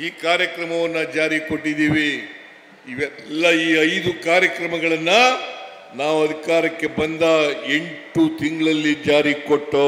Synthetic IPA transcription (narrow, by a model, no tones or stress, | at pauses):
iːkaːɾjɐkɾɐmɐʋɐnːɐd͡ʒaːɾiko̞ʈːid̪iːʋi | iʋɛlːɐiːɐjd̪ukaːɾjɐkɾɐmɐɡɐɭɐnːɐ | naːʋuɐd̪ʱikaːɾɐkːe̞bɐnd̪ɐe̞ɳʈut̪ʰiŋɡɐɭɐlːid͡ʒaːɾikoʈːo